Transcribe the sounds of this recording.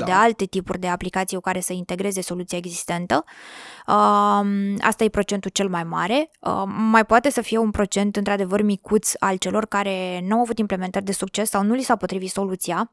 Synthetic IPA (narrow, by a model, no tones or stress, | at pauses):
d̪e̞alt̪e̞t̪ipurʲd̪e̞aplikat̪sijokaɾe̞səint̪e̞ɡɾe̞ze̞so̞lut̪sijae̞ɡzist̪e̞nt̪ə | ə | a̰st̪aje̞pɾo̞t͡ʃe̞nt̪ult͡ʃe̞lmajma̰ɾe̞əmajpoat̪e̞səfije̞unpɾo̞t͡ʃe̞nt̪ɨnt̪ɾad̪e̞vərmikut̪sʲa̰lt͡ʃe̞lo̞rkaɾe̞nawavut̪imple̞ment̪ərʲd̪e̞suk̚t͡ʃe̞sːawnulisawpo̞t̪ɾivit̪so̞lut̪sija